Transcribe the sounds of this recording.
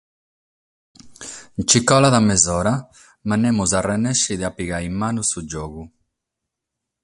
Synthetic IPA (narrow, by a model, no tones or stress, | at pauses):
nt͡ʃikɔlaðamezɔɾa | manemuzarenɛʃiðeapiɣaimːanusud͡ʒɔɣu